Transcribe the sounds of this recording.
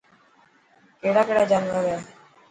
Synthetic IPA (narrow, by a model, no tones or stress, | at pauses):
keːɽaːkeːɽaːd͡ʒaːnʋaɾea